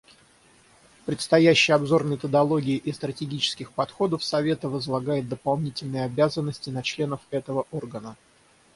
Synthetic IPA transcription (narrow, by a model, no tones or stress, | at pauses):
pɾʲɪt̪st̪ɐjæɕːɪjɐbzo̞rmʲɪt̪əd̪ɐlˠo̞ɡʲɪːʔɪst̪ɾətʲɪɡʲit͡ɕɪ̥skʲɪxpɐt̪xo̞d̪əfsɐvʲe̞t̪əvəzlˠɐɡajɪt̪̚d̪əpɐlˠnʲitʲɪlʲnəjəɐbʲæzənːəsʲtʲɪnɐt͡ɕlʲe̞nəfɛt̪əvəʔorɡənə